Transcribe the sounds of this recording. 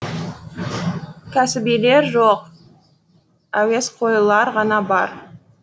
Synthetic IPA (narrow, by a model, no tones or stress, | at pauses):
kʲʰæsɪbijle̞ɾʒoq | æwe̞sqʰo̞jəlˠɑɾʁɑnɑbɑ̰ɾ